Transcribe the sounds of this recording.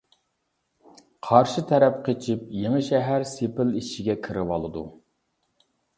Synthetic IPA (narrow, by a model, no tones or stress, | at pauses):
qʰɑɾʃit̪ʰɛɾɛp̚qʰet͡ʃʰip̚jeŋəʃɛɦæɾsepɪliʃiɡʲɛkʲʰɪɾɪwɑlˠɨd̪ṵ